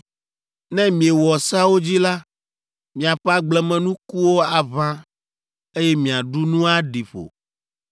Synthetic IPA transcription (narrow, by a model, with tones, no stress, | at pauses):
nɛ̃˦mĩ˨e˨wɔ˨sa˦wo˦d͡ʑi˦la˦ | mĩ˨a˨ɸɛ˦a˦ɡ͡blɛ˦mɛ̃˨nũ˦ku˦wo˦a˨βã˦ | e˦jɛ˦mĩ˨a˨ɖu˦nũ˦a˦ɖi˨ɸo̰˨